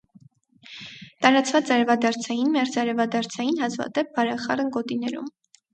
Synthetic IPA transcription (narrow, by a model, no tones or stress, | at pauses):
t̪ɑɾɑt͡svɑt͡sɑɾɛvɑd̪ɑɾt͡sʰɑjinmɛɾd͡zɑɾɛvɑd̪ɑɾt͡sʰɑjinhɑzvɑ̰t̪ɛp̚bɑɾɛχɑrənɡɔt̪inɛɾṵm